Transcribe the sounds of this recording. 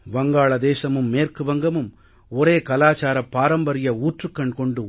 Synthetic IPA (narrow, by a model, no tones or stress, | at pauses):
ʋɐŋɡaːɭɐd̪eːsɐmɯmːeːrkɯʋɐŋɡɐmɯm | ɔɾeːkɐlaːt͡ʃaːɾɐpːaːɾɐmbɐɾɪjɐuːʈrɯkːɐɳkɔɳɖɯ